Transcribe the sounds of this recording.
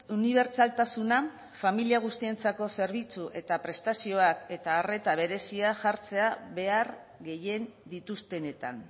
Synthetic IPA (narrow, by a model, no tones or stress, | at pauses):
uniβ̞e̞ɾt͡salt̪asuna | familiaɣ̞ust̪ie̞nt͡sako̞se̞ɾβ̞it͡suʔe̞t̪apɾe̞st̪asio̞ake̞t̪aːre̞t̪aβ̞e̞ɾe̞siaʝaɾt͡se̞aβe̞aɾɣe̞je̞nd̪it̪ust̪e̞ne̞t̪an